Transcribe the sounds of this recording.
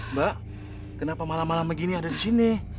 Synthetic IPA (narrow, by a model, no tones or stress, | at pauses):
baʔ | kənapamalamalamaɡiniadadisinɪ